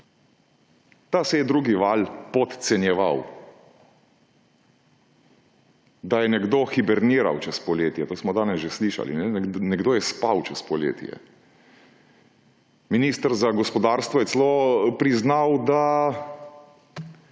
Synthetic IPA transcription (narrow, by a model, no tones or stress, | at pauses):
t̪asɛjɛd̪ɾuːɡiʋalpɔt̪t̪sɛnjɛʋa̰w | d̪ajɛnɛɡd̪oxibɛɾniːɾa̰wt͡ʃɛspɔleːt̪jɛt̪oːsmɔd̪aːnɛsʒesliʃa̰lḭnɛɛnɛɡd̪oːjɛspawt͡ʃɛspɔlḛːt̪ḭɛ̰ | miniːst̪əɾzaɡɔspɔd̪aːɾst̪ʋɔjɛsɛlopɾiznawd̪a